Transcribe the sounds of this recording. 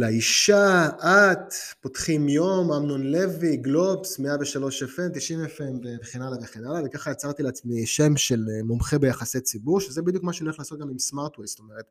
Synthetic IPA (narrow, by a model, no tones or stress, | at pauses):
leiʃaʔatpotχimjo̞mamnonle̞viɡlo̞psme̞aveʃalo̞ʃefemt̪iʃimefembeveχenalaveχenalavekaχajat͡saʁt̪ileat͡smiʃe̞mʃe̞lmomχe̞be̞jaχaset͡sibuʁʃezebid̪jukmaʃenieχlaːsot̪̚ɡamimsmaʁt̪wejst̪o̞meʁet̪